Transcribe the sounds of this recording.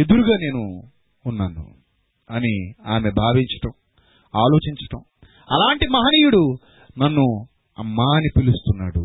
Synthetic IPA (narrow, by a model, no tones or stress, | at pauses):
e̞d̪uɾuɡaːne̞ːnuː | nːaːnːṵ | ɐniaːme̞bʱaːʋiɲt͡ʃɐ̥ʈɐm | aːlo̞ːt͡ʃiɲt͡ʃɐ̥ʈɐm | ɐlaːɳʈimɐɦɐniːjuɽu | nɐnːu | ɐ̰mːaːnipilust̪unːaːɽu